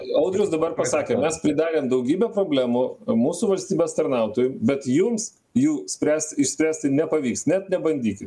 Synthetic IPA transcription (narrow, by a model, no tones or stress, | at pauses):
ɐʊd̪ʲɾʲʊsd̪ɐbɐrpɐsɑːkʲeːmʲɛspʲɾʲɪd̪ɑːɾʲeːmd̪ɐʊɡʲiːbʲɛpɾoːbʲlʲæːmumuːsuʋɐlʲsʲt̪ʲiːbʲeːst̪ɐɾnɐʊt̪oːjʊmbʲɛt̪jʊms | juːsʲpʲɾʲæːsʲt̪ɪʃsʲpʲɾʲæːsʲt̪ʲɪnʲɛpɐʋʲiːksnʲɛt̪nʲɛbɐnʲd̪ʲiːkʲɪt̪